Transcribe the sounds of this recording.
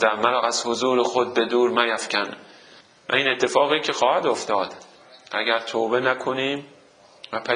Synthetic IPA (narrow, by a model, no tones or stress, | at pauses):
æmæɾɒːæz̥hozuːɾexod̪̚be̞d̪uːɾmæjæfcʲʰæn | væ̰iːne̞t̪ʰːe̞fɒːɣiːcʰe̞xɒːhæd̪oft̪ɒːd̪̥ | ʔæɡæɾt̪ʰoːbe̞nækʰoniːm | væpʰæ